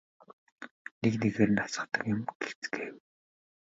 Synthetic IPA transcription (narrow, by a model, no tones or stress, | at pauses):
nekneɣeːɾɘ̆nasə̆χt̪ə̆kjʊmɡeɬt͡sɡeːw